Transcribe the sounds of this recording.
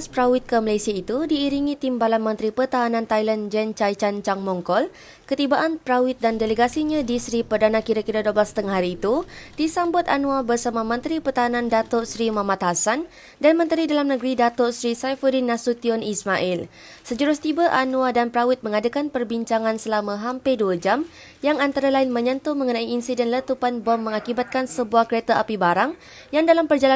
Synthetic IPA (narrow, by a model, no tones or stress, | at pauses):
spɾawɪt̪̚kəmalasiait̪udiːɾiŋĩt̪imbalanmə̃nt̪ɾipərt̪aɦanãnt̪ajland͡ʒɛnt͡ʃajt͡ʃant͡ʃaŋmɔŋkɔl | kət̪ibaʔanpɾawit̪̚dandeləɡasiɲãdisɾipərdanãkiɾakiɾadoblasət̪əŋaɦaɾiːt̪ud̥isambʊt̪anũabərsamãmə̃nt̪ɾipərt̪aɦanãndat̪ɔʔsɾimãmat̪hasan | danmə̃nt̪əɾidalamnəɡɾidat̪ɔʔsɾisajfəɾinãsut̪iɔnismaʔɪl | səd͡ʒuɾʊst̪ibaʔanũadanpɾawɪt̪̚mə̃ŋadakanpərbiɲt͡ʃaŋãnsəlamãɦampeduəd͡ʒam | jaŋant̪aɾalaɪnmə̃ɲə̃nt̪uməŋənãiːnsidɛnlət̪upanbɔmːə̃ŋakibat̪̚kansəbuahkəɾet̪aʔapibaɾaŋ | jaŋdalampərd͡ʒala